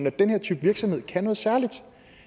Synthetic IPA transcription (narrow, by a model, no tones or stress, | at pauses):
n̩æd̥enheɐ̰t͡sʰy̰ːb̥ʋiɐɡ̥sɒ̽mhe̝ð̞̰ˠkʰænɔ̽ːð̩ˠsæɐlid̥